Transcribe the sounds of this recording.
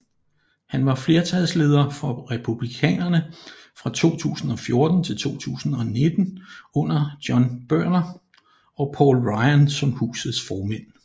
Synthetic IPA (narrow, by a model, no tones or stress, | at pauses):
hænʋɑ̈fle̝ɐt͡sʰæð̰ˠsle̝ːð̞ˠɐfɒ̽ʁɛpʰub̥likʰɛ̰ːnɐnə | fʁɑ̈t͡sʰo̝̰ːt͡sʰṵːsn̩ɒ̽fjo̝ɐd̥n̩t͡sʰe̝lt͡sʰo̝̰ːt͡sʰṵːsn̩ɒ̽ne̝d̥n̩ɔ̽n̰ɐd̥jɒ̽nb̥ɶɐ̰nɐ | ɒ̽pʰɒ̰ːlʁɑ̈ɪænsɒ̽mhṵːsð̩ˠsfɒːmen̰